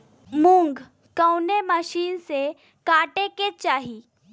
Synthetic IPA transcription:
mʊ̃ŋɡ | kəʊneməʃiːnse | kaːʈeket͡ʃaːɦi

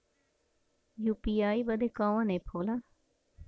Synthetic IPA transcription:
juːpiaːibəd̪ekãːʋãnepʰoːla

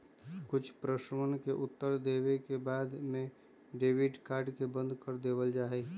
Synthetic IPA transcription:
kʊt͡ʃʰpɾəʃəmənkeʔʊt̪ːəɾd̪eːwekebaːd̪mẽ | ɖeːʋɪɖkaːɾɖkebə̃nd̪ʱkəɾd̪eːwəld͡ʒaːɦe

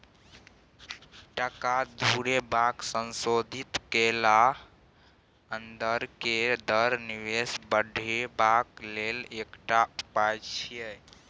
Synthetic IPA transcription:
ʈəkad̪ʱuɾebaksənsod̪ʱit̪kela | ənd̪əɾked̪əɾniʋesbəɖʱebaklelekʈaupajt͡ʃʰijɛ

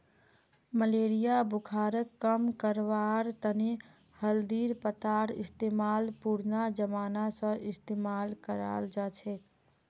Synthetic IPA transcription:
məleːɾijabʊkʰaːɾəkːəmkəɾʋaɾt̪əne | həld̪iːɾpət̪aːɾɪ̰st̪eːmaːlpuɾnad͡ʒəmaːnasə̃ʔɪst̪emaːlkəɾa̰ːld͡ʒat͡ʃʰɛ

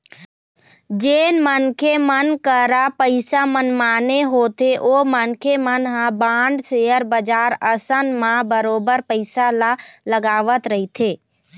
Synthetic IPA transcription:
d͡ʒenmənkʰemənkəɾapəɪsamənmaːneɦot̪ʰeʔomənkʰemənɦãbãɳɖsejəɾbəd͡ʒaɾəsənmãbəɾobəɾpəɪsalaləɡaːʋət̪ɾəɦit̪ʰeː

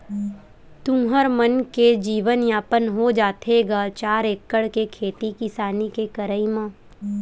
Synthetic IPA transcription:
t̪ũːɦəɾmənked͡ʒiːʋənjaːpənɦod͡ʒaːt̪ʰeɡat͡ʃaːɾeːkːəɽkekʰeːt̪ikɪsaːnikekəɾəimə̃ː

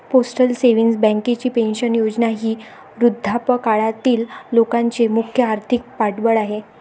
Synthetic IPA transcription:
posʈəlseʋinsbɛ̃ŋket͡ɕiːpẽnɕənjod͡ʑnaɦiː | ɾud̪ʱːapəkaɭat̪iːlːokãɲt͡semukʰjəaɾt̪ʰik̚paʈbəɭaɦe

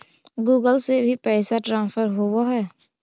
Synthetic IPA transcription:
ɡuːɡəlsebʱipɛːsaʈɾãːnsəɾɦowaɦɛː

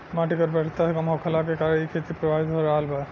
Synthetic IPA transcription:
maʈikɔɾbɛʈit̪ːaikɔmɦɔkʰɔlakekaɾekʰet̪ipɾɔbʱabit̪ɔɔɾalba

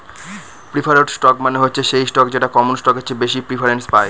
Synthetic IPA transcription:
pɾifaɾeʈsʈɔkmaneɦotːɕʰeʃejsʈɔk̚d͡ʑeʈakɔmonsʈɔkɦotːt͡ɕʰːebeʃipɾifʰaɾenspaj

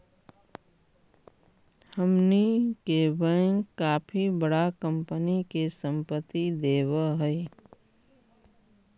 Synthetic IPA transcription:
həmnikebə̃ŋɡkaːpʰibəɽakə̃mpənikesə̃mpət̪ːid̪eːwəɦəi

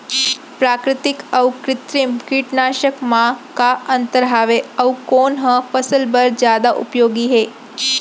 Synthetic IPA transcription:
pɾaːkɾɪt̪ɪkɐwkɾɪt̪ɾimkiʈnaːʃəkmãkaɐnt̪əɾɦaːʋeɐwkoːnɦəfəsəlbəɾd͡ʒjaːd̪aʔṵpjoːɡiɦeː

